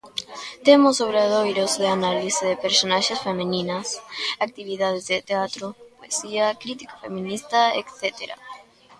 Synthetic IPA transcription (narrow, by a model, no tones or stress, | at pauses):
t̪emosoβɾeðojɾosðeanaliseðepeɾsonaʃesfemẽnĩnasak̚t̪iβiðað̞ezðet̪eat̪ɾopoesiakɾit̪ikḁfemĩnist̪aḛkθet̪eɾa̰